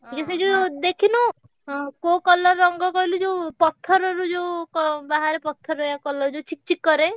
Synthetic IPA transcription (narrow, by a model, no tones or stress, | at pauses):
ʈʰikased͡ʒed̪ekʰinu | kokɔlɔɾːɔŋɡɔkɔɦilud͡ʒewpɔt̪ʰːɔɾɔɾud͡ʒewkɔbaɦaɾepɔt̪ʰːɔɾɔjakɔlɔɾud͡ʒet͡ʃʰik̚t͡ʃikːɔɾe